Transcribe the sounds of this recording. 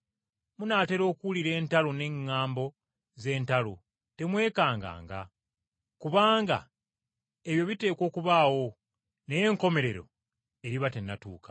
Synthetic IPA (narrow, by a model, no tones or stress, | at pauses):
munaːte̞ɾo̞ːkuuliɾe̞ːntalone̞ŋːaːmbo̞ | ze̞ːntalo | te̞mwe̞ːkaːŋɡa̰ːŋɡa̰ | kuβaːŋɡa̰ | e̞βjo̞βite̞ːko̞ːkuβaːwo̞ | ne̞je̞ŋko̞me̞ɾe̞ɾo̞̰ | e̞ɾiβate̞nːatuːkḁ